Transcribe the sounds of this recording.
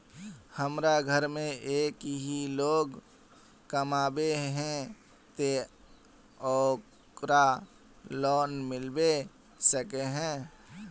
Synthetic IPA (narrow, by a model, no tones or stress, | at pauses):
həmɾaɡʱəɾmẽʔeːkɦiloːɡ | kəmaːbeɦɛ̃ | t̪e | ɔːk | kɾa | lɔːnmɪlbe | səkeɦɛ̃ː